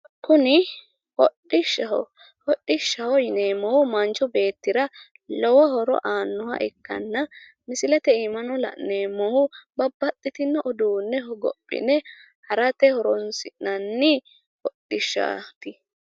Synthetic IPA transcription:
kʊnɪ | hɔɗɪʃːɐɔ̰ | hɔɗːɪʃːɐhɔjɪneːmːɔhʊmɐnt͡ʃːɔbe̞ːt̪ːɪɾɐ | lɔwɐɦɔɾɔ̰ʔaːnːɔhɐ̰ʔɪkːɐ̰nːɐ | mɪsɪlɛt̪ɛimɐnɔlɐ̰ʔneːmːɔhʊbɐbːɐt̪ʼːɪt̪ɪnːɐʔɔd̪uːnːɛhɔɡɔ̰pʼːɪ̰nɛ | hɐɾɐt̪ɛhɔɾɔnsɪʔnɐnːɪ | hɔɗɪʃːa̰t̪ɪ

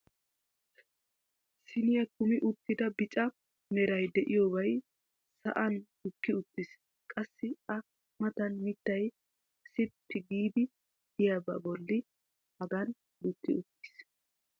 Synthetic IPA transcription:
sɪnɪjɐkʊmɪʔʊt̪ːɪd̪ɐbɪt͡ʃʼɐ | mɛɾɐjd̪ɛʔɪjoːbɐj | sɐ̰ʔɐnd̥ʊkːɪʊt̪ːɪs | kʼɐsːɪɐ | mɐt̪ɐnmɪt̪ːɐj | sɪpʰːɪɡiːd̪ɪ | d̪̥ɪjabɐ̰bɔlːɪ | hɐɡɐn | d̪ʊt̪ːɪʊt̪ːɪ̥s

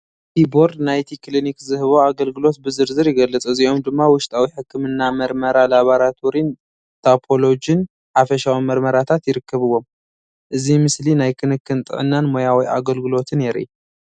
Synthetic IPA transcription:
hibo̞ɾd̪najt̪ʰiklinikzɨhɨβo̞aɡɐlɡɨlo̞t̪̚bɨzɨɾzɨɾjɛɡɐlːɨt͡sʼɨziʔo̞md̪ɨmːawʊʃt̪ʼawiħɨkːɨmɨnːamɐɾmɐɾalaβaɾat̪ʰoɾin | t̪ʰapʰo̞lo̞d͡ʒɨn | ħafɐʃawimɐɾmɐɾat̪ʰat̪jɪɾɨkːɐβɨwːo̞m | ʔɨzimɨslinajkʰɨnɨkːɨnt̪ʼɨ̰ʕɨnːanmo̞jawiʔa̰ɡɐlɡɨlo̞t̪ʰɨnjɛɾʔḭ

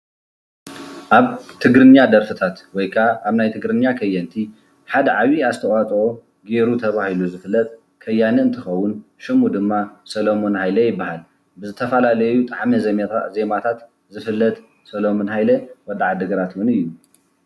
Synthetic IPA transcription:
ʔaβt̪ʰɨɡɾɨɲːad̪ɐɾfɨt̪ʰat̪wɔjkʰaːβnajt̪ʰɨɡɾɨnːakʰɐjːɐnt̪ʰi | ħad̪ɐʕaβiazt̪ʰɐʔʼat̪ʼo̞ | ɡe̞ɾut̪ʰɐβahiluzɨfɨlːɐt̪ʼ | kʰɐjːanɐɨnt̪ʰɨxɐwːʊnʃɨmud̪ɨmːasɐlomonhajlɐjɪbːahal | bɨzɨt̪ʰɐfɐlalɐjut̪ʼaʕmɐzɐmeɾa̰ze̞mat̪ʰat̪ | zɨfɨlːɐt̪ʼ | sɐlomonhajlɐwɔd̪ːaʕad̪ɨɡɐɾat̪wʊnɨjːu

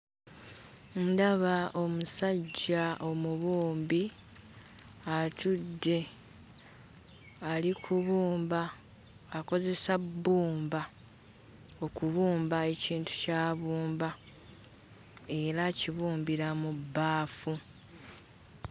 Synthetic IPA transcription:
ndaβaʔo̞musaɟːaʔo̞muβuːmbi | atudːe̞ | alikʰuβuːmbaː | ko̞ze̞sabːuːmba | o̞kuβuːmbae̞ciːntu̥caːβuːmba | e̞ɾaciβuːmbiɾamubːaːfu

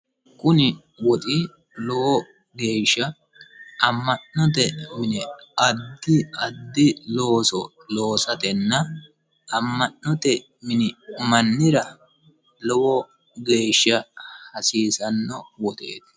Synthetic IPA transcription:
kʼʊnɪ | wɔt̪ʼɪ | lɔwɔ | ɡe̞ːʃːɐ | ʔɐmːɐnnɔt̪̬ɛmɪnɛɐd̪ːɪɐd̪ːɪlo̞ːsɔ | lo̞ːsɐt̪ɛnːɐ | ɐmːɐnnɔt̪ɛ | mɪnɪmɐnːɪɾɐ | lɔwɔ | ɡe̞ːʃːɐhɐsiːsɐnːɔwɔt̪ʼḛːt̪ɪ̥

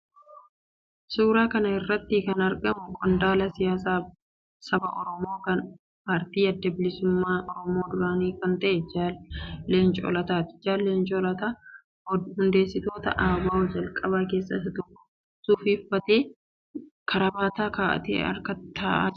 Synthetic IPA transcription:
suːɾaːkɐnɐɪrːɐt̪ːɪkɐnɐɾɡɐmʊkʼɔnd̪aːlɐsɪjaːsaː | sɐbɐʔɔɾɔmo̞ːkɐn | paːɾt̪iːɐd̪ːɐbɪlɪsʊmːaːʔɔɾɔmo̞ːd̪ʊɾaːniːkɐnt̪ɐʔɛd͡ʒaːe̞ːnt͡ʃʼɔ̰ːlɐt̪aːt̪ɪ̥d͡ʒaːlːeːnt͡ʃʼɔːlɐt̪aː | ɔhʊnd̪e̞ːsːɪt̪o̞ːt̪ɐ̰ʔaːwaːɔd͡ʒɐlkʼɐβaːke̞ːsːɐ̰sɐt̪ʊkːʊ̥ | suːfiːfːɐt̪e̞ː | kʰɐɾɐbaːt̪aːkaːʔɐ̰t̪ḛːɐ̰ɾkɐt̪ʰaːʔa̰ː

